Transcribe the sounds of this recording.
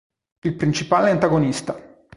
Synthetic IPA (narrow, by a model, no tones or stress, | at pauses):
ilpɾint͡ʃipaːleant̪aɡonist̪a